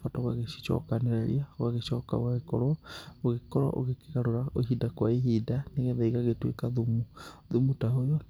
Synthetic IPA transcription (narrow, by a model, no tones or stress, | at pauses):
fataɣwaɣeʃi̥ʃɔ̰kaneɾeɾiaɣwaɣeʃɔka̰ɣwaɣekɔɾɔoɣekɔɾɔ̰ʔo̰ɣeke̥ɣaɾoɾaoɦidakwaeɦidaneɣɛβaiɣaɣetwḛkaðumuðumutaɦojɔ